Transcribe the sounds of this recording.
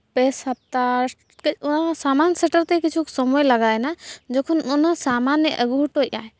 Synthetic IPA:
pɛsap̚t̪a | kunasamansɛʈəɾt̪ɛkit͡ʃʰuksɔmɔjlaɡajnad͡ʒɔkʰɔnunasamanjəʔəɡuʈoa̰ɛ

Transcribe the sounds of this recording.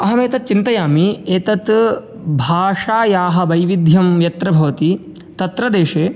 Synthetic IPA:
ɐɦɐmeːt̪ɐt̪̚t͡ʃint̪ɐjaːmieːt̪ɐt̪ | bʱaːʂaːjaːɦɐ̆ʋɐjʋid̪ʱjɐmjɐt̪ɾɐbʱɐʋɐt̪i | t̪ɐt̪ɾɐd̪eːʂeː

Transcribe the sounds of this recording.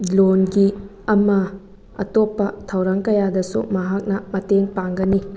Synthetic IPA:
lonɡi | ɐmɐ | ɐ̰topːɐtʰɐwɾaŋkɐjadɐsṵmɐɦak̚nɐmɐteŋpaŋɡɐni

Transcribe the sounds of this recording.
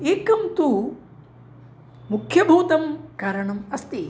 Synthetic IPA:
eːkɐmt̪u | mukʰjɐbʱuːt̪ɐmkaːɾɐɳɐmɐst̪i

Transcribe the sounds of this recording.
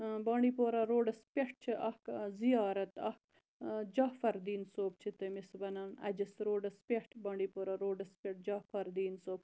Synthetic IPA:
baːɳɖiːpoːɾɐɾoːɖɐspʲeʂʈ̚t͡ʃʰiʔɐhkzijaːɾɐt̪ɐhk | d͡ʒaːfɐɾd̪iːnsoːp̚t͡ʃʰit̪ɐmisbɐnaːnɐ̰d͡ʒɐsɾoːɖɐspʲeʈʰbaːɳɖiːpoːɾaɾoːɖɐspʲeʈ̚d͡ʒaːfɐɾd̪iːnsoːb̚

